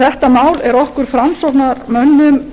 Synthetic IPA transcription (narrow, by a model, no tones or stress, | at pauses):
θɛht̪amaːwlɛɾɔhkʏɾ̥fɾamsɔpnaɾmœnːʏm